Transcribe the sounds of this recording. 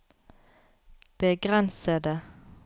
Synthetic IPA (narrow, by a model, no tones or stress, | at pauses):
b̥əɡʁɛnsəd̪ə